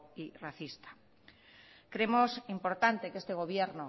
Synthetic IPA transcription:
iraθist̪ḁ | kɾemosimpoɾt̪ant̪ekest̪eɣ̞oβ̞jeɾno

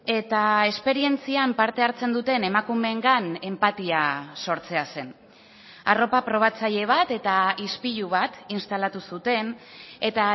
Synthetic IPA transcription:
e̞t̪ae̞spe̞ɾie̞nt͡siampaɾt̪e̞aɾt͡se̞nd̪ut̪e̞ne̞makume̞ŋɡane̞mpat̪iaso̞ɾt͡se̞ase̞n | aro̞papɾo̞β̞at͡saʎe̞β̞at̪e̞t̪aispiʎuβ̞at̪inst̪alat̪usut̪e̞ne̞t̪a

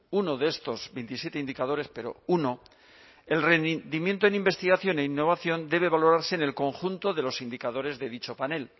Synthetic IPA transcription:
uno̞ðeest̪o̞zβejnt̪isje̞t̪e̞ind̪ikaðo̞ɾe̞spe̞ɾo̞̰uno̞ | e̞lre̞nd̪imje̞nt̪o̞enimbe̞st̪iɣaθjo̞ne̞inːo̞β̞aθjo̞nd̪e̞β̞e̞βalo̞ɾaɾse̞ːne̞lko̞ŋxunt̪o̞ðe̞lo̞sind̪ikaðo̞ɾe̞zðe̞ðit͡ʃo̞pane̞l

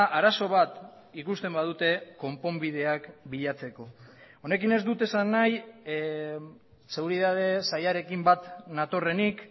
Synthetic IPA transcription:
ʔaɾaso̞β̞at̪ | ikust̪e̞mbað̞ut̪e̞ko̞mpo̞mbið̞e̞akbiʎat͡se̞ko̞one̞kine̞zd̪ut̪e̞sanːaj | se̞ɣuɾiðaðe̞sajaɾe̞kimbat̪nat̪o̞re̞nik

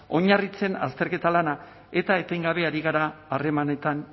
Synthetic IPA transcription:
o̞ɲarit͡se̞nast̪e̞ɾke̞t̪alana | e̞t̪ae̞t̪ejŋɡaβe̞aɾiɣ̞aɾaːre̞mane̞t̪an

